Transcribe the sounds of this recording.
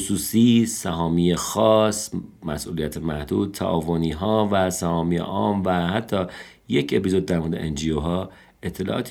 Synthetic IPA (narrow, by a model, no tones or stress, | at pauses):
suːsiːsæɦɒːmijexɒːsmæsʔuːlijæt̪ʰemæhd̪uːd̪̚t̪ʰːæ̰ʔɒ̰ːvo̞niːɦɒːvæsæhɒːmiːḛʔɒːmvæhæt̪ʰːɒː | jecʰe̞pizo̞d̪̚ːæɾmod̪ḛʔend͡ʒioɦɒː | e̞t̪ʰːe̞lɒ̰ʔɒ̰ːt̪ʰ